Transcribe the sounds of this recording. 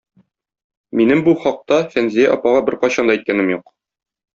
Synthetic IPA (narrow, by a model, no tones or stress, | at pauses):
minɘmbuχɒq̚t̪ɑfænzijæʔɒpɑʁɑbɘɾqɒɕɑnd̪ɑit̪̚kænɘmjuq